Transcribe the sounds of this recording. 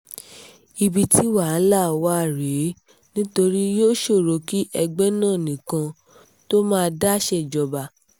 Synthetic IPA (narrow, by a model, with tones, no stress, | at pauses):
i˧bi˧ti˦wa˨˦la˦˨wa˦˨ɾe˨˦ | nĩ˦to˧ɾi˦joː˦ʃo˦˨ɾo˨˧ki˦ʔɛ˧ɡ͡bɛ˦nãː˦˨nĩ˨kã˧ | to˦mãː˦˧da˦ʃɛ˦˨d͡ʒɔ˨˧ba˧